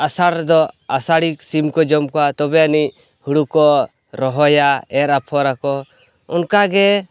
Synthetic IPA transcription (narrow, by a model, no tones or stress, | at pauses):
asaɽd̪ɔasaɽiksimkɔd͡ʒɔmkɔat̪ɔbɛanic̚ | huɽukɔ | ɾɔɦɔjaɛɾapʰɔɾakɔ | ṵnkaɡɛ